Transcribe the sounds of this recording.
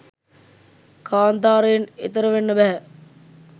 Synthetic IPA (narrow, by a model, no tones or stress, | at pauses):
kʰaːnt̪aːɾejnḛt̪əɾəʋenːəbæɦɛ